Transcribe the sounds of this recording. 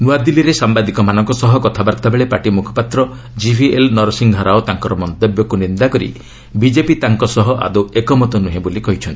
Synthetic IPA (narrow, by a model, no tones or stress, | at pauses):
nuad̪iliɾesambad̪ikɔmanɔŋkɔsɔɦɔkɔt̪ʰabaɾt̪abeɭepaʈimukʰɔ̥pat̪ɾɔ | d͡ʒibʰʱielnɔɾsiŋɡɦaɾaot̪aŋkɔɾɔmɔnt̪ebjɔkunind̪akɔɾḭ | bid͡ʒepit̪aŋkɔsɔɦɔʔa̰d̪oekɔmɔt̪ɔnuɦẽbolikɔɦit͡ʃʰɔnt̪i̥